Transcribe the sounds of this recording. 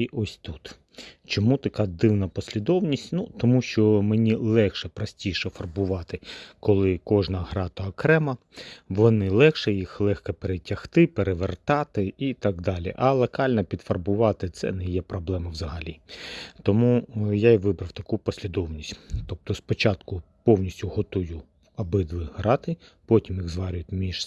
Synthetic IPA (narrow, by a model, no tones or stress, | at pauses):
iʔɔsʲt̪ut̪ | t͡ʃɔmut̪ɐkɑd̪ɪwnɐpɔsʲlʲid̪ɔwnʲisʲtʲnut̪ɔmuʃt͡ʃɔmenʲilˠɛxʃɛpɾɐsʲtʲijʃɛfɐrbʊʋɑt̪ɪkɔlˠɪkɔʒnɐɦɾɑt̪ɐːkɾɛmɐ | ʋɔnɪlˠɛxʃɛjixlˠɛxkɐpeɾetʲɐxt̪ɪpeɾeʋert̪ɑt̪ɪit̪ɑɡd̪ɑlʲḭʔɐlˠɐkɑlʲnɐpʲid̪fɐrbʊʋɑt̪ɪt̪sɛ̰nɛjɛpɾɔblˠɛmɐwzɐɦɐlʲit̪ɔmujaiʋɪbɾɐwt̪ɐkupɔsʲlʲid̪ɔwnʲisʲtʲt̪ɔp̚t̪ɔspɔt͡ʃɑt̪kʊ | pɔwnʲisʲtʲʊɦɔt̪ujʊ | ɐbɪd̪ʋɪɦɾɑt̪ɪ | pɔtʲimjiɣzʋɑɾʲʊjʊtʲmʲiʒ